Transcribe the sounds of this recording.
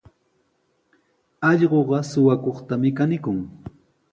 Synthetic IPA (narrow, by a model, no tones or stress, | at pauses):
ɑʎɢoɢɑsʊwakoχt̪amɪkanɪkʊŋ